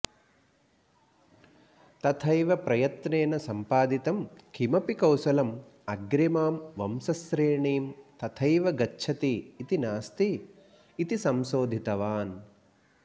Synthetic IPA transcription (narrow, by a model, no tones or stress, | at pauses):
t̪ɐt̪ʰɐjʋɐpɾɐjɐt̪neːnɐsɐmpaːd̪it̪ɐmkʰimɐpikɐwsɐlɐmɐɡɾɐmaːmʋɐmsɐsɾeːɳiːmt̪ɐt̪ʰɐjʋɐɡɐtːʃʰɐt̪iːt̪inaːst̪iː | t̪isɐmsoːd̪ʱit̪ɐʋaːn